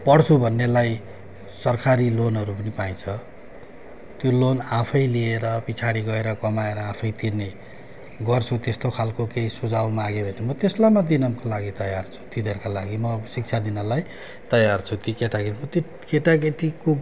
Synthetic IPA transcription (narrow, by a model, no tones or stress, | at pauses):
pʌɽt͡sʰubʱʌnːelaj | sʌrkʰaɾilonɦʌɾupʌnipaĩt͡sʰʌ | t̪jolonãpʰʌjlieɾʌpit͡sʰaɽiɡʌeɾʌkʌmaeɾʌãpʰʌjt̪irne | ɡʌrt͡sʰut̪est̪okʰalkokeisud͡zawmaɡebʱʌnemʌt̪eslamad̪inʌmkolaɡit̪ʌjart͡sʰu̥t̪id̪ʱʌrkalaɡimʌsik̚t͡sʰad̪inʌlaj | t̪ʌjart͡sʰut̪ikeʈaɡeimʌt̪o | keʈaɡeʈiko